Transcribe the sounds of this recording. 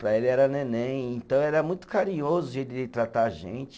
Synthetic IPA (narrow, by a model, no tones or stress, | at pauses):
pɾɐelɪɛɾɐnẽnẽẽnt̪ɐ̃w̃ɛɾɐmũj̃t̪ʊ̥kaɾĩɲozʊd͡ʒelɪt̪ɾat̪aʒḛ̃t͡ʃɪ